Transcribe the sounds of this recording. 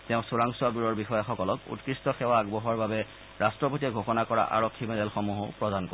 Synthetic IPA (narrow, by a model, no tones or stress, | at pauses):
tɛʊ̃suɹaŋsɔbiɹɔɹbixɔjaxɔkɔlɔkṵtkɹistɔxɛwaːɡbɔɦɔɹbabɛ | ɹastɹɔpot̬iɛɡʱoxɔnakɔɹa̰ʔa̰ɹɔkʰːimɛdɛlxɔmuɦʊ̰pɹɔdankɔ